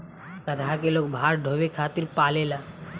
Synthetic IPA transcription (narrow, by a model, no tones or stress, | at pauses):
kəd̪ʱakeloːkbʱaːɾɖʱoʋekʰaːt̪ɪɾpaːlelaː